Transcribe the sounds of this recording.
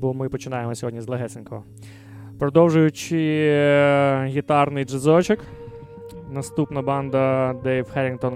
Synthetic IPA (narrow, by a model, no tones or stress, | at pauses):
bɔmɪpɔt͡ʃɪnɑjemɔsʲɔɦɔdʲnʲizlˠeɦɛt̪sɪnkɔɦɔ | pɾɔd̪ɔwʒʊjʊt͡ʃɪ | ɣʲit̪ɑrnɪjd͡ʒezɔt͡ʃɪk | nɐst̪upnɐbɑnd̪ɐd̪ɛjwhɛɾʲɪnt̪ɔn